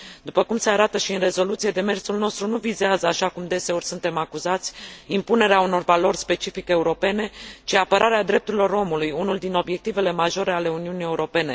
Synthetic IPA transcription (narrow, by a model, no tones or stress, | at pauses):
d̪upəkumse̞aɾat̪əʃiɨnre̞zo̞lut̪sije̞d̪e̞me̞rsulno̞st̪ɾunuvizeazəaʃakumd̪e̞se̞o̞rʲsunt̪e̞makuzat̪sʲimpune̞ɾeauno̞rvalo̞rʲspe̞t͡ʃifike̞uɾo̞pe̞ne̞t͡ʃiapəɾʔaɾead̪ɾe̞p̚t̪uɾilo̞ɾo̞mulujunuld̪ino̞bje̞k̚t̪ive̞le̞maʒo̞ɾe̞ale̞uniunije̞uɾo̞pe̞ne̞